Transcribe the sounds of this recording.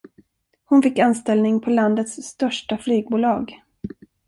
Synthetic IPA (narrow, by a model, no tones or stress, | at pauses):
hʊnfɪkːanst̪ɛlnɪŋpʰɔland̪ət̪sːt̪œʂʈaflyːɡ̚buːlɑːɡ